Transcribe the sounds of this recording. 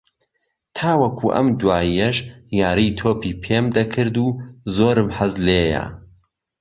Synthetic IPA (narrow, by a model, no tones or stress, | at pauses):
t̪ʰaːwɐkʰuːʔɐ̰md̪waːijɐʃjaːɾijt̪ʰoːpiːpʰeːmd̪ɐkʰɨɾd̪uːzoːɾɨmħɐzleːjɐ̰